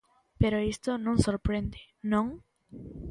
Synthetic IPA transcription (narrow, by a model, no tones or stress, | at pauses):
peɾoist̪onõŋsoɾpɾend̪ɪ | nõŋ